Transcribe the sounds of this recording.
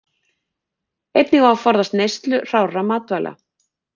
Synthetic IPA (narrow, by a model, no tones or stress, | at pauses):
ejt̪nɪɣaafɔɾðast̪nejst̪lʏr̥aːwramaːt̪vala̰